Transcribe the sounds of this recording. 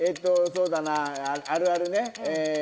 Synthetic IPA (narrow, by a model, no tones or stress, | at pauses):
et̪ːosoːd̪anaaɾɯaɾɯne